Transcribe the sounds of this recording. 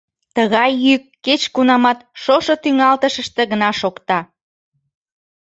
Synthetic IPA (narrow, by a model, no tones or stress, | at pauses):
t̪əɣɑjːykːet͡ɕkunɑmɑt̪ʃoʃot̪yŋɑlt̪əʃəʃt̪ĕɣənɑʃokt̪ɑ